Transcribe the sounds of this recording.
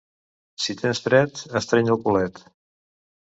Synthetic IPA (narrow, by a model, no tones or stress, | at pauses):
sit̪ʰensθɾɛt̪əst̪ɾɛɲəlˠkulɛt̪